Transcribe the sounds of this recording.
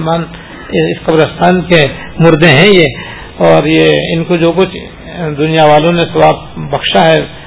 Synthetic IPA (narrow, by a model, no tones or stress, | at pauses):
maːn | ɪsqɐbɾəst̪ʰaːnke | mʊɾd̪ẽɦɛ̃je | ɔːɾjeɪnkod͡ʒoːk̬ʊt͡ʃʰ | d̪ʊnijaʋaːlõnẽsɐwaːb̚bɐkʃaɦɛ